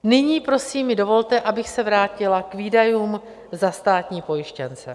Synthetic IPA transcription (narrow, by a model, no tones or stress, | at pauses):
nɪɲiːpɾo̞siːmːɪdo̞vo̞lt̪ɛʔabɪxsɛvɾaːcɪlakviːdajuːm | zast̪aːt̪ɲiːpo̞jɪʃcɛnt͡sɛ̰